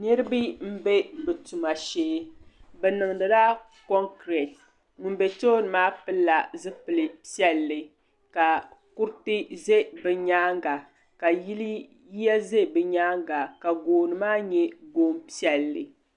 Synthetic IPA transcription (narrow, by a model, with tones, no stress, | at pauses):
nɛ˦ɾɨ˦bi˦m̩˦bɛ˦bɨ˨tu˨ma˨ʃeː˦bɛ˨nɨ˨ŋ˨dɨ˨da˦ | kɔ˦ŋkɾɛ˨t | ŋʊ˨n˦be˨to˦nɨ˨maː˦pɨ˦lːa˨zɨ˦pɨ˨lɨ˨pi˦ɛ˦˨lːɨ˨ | ka˨ku˦ɾtɨ˦ze˦bɨ˨ɲaː˦ŋɡa˨ | ka˨ji˦li˦ | ji˦ja˦ze˦˨bɨ˨ɲaː˦ŋɡa˨ka˨ɡoː˨nɨ˨maː˦ɲɛ˦ɡoː˦mpi˦ɛ˨lːɨ̰˨